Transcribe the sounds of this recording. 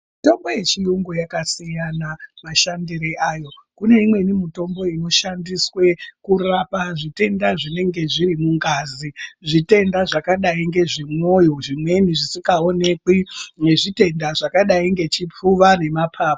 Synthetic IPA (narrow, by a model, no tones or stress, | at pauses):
ito̞mbo̞je̞t͡ʃijuŋɡojakasijanamaʃandiɾeʔajo̞kune̞imwe̞nimito̞mbo̞ino̞ʃandiswe̞kurapaʐite̞ndaʐine̞ŋɡe̞ʐirimuŋɡaziʐite̞ndaʐakaɗaiŋɡe̞ʐimwo̞jo̞ʐimwe̞niʐisikaone̞kwineʐite̞ndaʐakaɗaiŋɡe̞t͡ʃip͡fuʋane̞mapʰaːpo